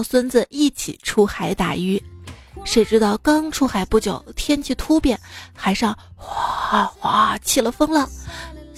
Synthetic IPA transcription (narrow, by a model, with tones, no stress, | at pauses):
swə˥nd͡zə˧i˥˩t͡ɕʰḭ˨˩˦ʈ͡ʂʰu˥xa˧˥ɪt̪a̰˨˩y˥ʂe˧˥ɪʈ͡ʂɻ̩˥t̪ɑ˥˩ʊkɑ˥ŋʈ͡ʂʰu˥xa˧˥ɪpu˥˩t͡ɕjɑ˨˩ʊt̪ʰjɛ˥nt͡ɕʰi˥˧t̪ʰu˥pjɛ˥˩nxa˧˥ɪʂɑ˥˩ŋxwa˧˥xwa˧˥t͡ɕʰi˥˩lə˦fɤ˥ŋlɑ˥˩ŋ